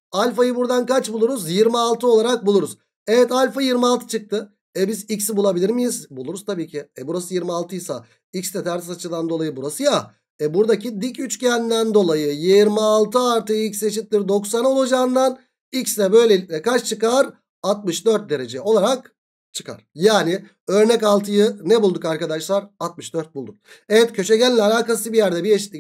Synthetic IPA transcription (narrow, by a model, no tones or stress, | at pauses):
alʲfajɯbuɾd̪ankat͡ʃbulˠuɾuzjiɾmialˠt̪ʰɯo̞lˠaɾak̚bulˠuɾuz̥ | ɛvɛt̪alʲfajiɾmialˠt̪ʰɯ̥t͡ʃʰɯk̚t̪ʰɯ | ɛbizicsbulˠabilʲiɾmijizbulˠuɾuz̥t̪ʰabiːcʰɪɛbuɾasɯjiɾmialˠt̪ʰɯjsa̰ | icst̪ɛt̪ʰæɾisat͡ʃʰɯd̪and̪o̞lˠajɯbuɾasɯja | ɛbuɾd̪acʰid̪icyt͡ʃcʰænd̪ænd̪o̞lˠajɯjiɾmialˠt̪ʰɯaɾt̪ɯilʲcse̞ʃit̪lʲiɾd̪o̞ksanolˠad͡ʒaːnd̪an | icst̪ɛbø̞jlʲeilicʲnɛkat͡ʃt͡ʃʰɯkaɾ | at̪̚mɯʃd̪øɾt̪̚d̪e̞ɾe̞d͡ʒɛo̞lˠaɾak | t͡ʃʰɯ̥ka̰ɾ̥jaːnɪ | ø̞ɾnɛcalˠt̪ʰɯjɯnɛbulˠd̪ukaɾkad̪aʃlˠaɾat̪̚mɯʃd̪øɾt̪̚bulˠd̪uk̚evɛt̪cʰø̞ʃɛɟælʲlːʲɛalʲaːkasɯbijæɾd̪ɛbieʃit̪ːʲic